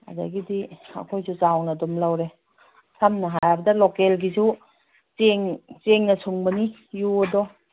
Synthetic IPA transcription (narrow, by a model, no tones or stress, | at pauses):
ɐ̰da̰ɡidiɐ̰kʰojzut͡ʃawnɐdomlawɾe | sʰamnɐɦajabɐdɐlokelɡizu | t͡ʃeŋt͡ʃeŋnɐsuŋbɐni | juɐdɔ